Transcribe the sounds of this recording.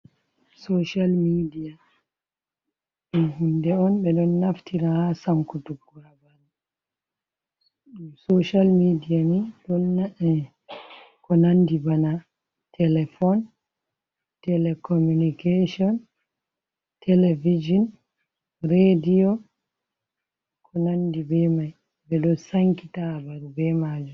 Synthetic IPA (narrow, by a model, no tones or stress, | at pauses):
soʃalmidia | ɛɦundɛɔnɓɛɗɔnːaftʰiɾahasaŋkutukːuɾabana | soʃalmidijamiɗɔnːaɛ | kɔnandibana | tʰɛlɛfɔn | tɛlɛkɔmunikeʃɔn | tɛlɛvid͡ʒɔn | ɾedijɔ | kʰɔnandibɛmaj | bɛɗɔsaŋkitabadubɛmad͡ʒɔ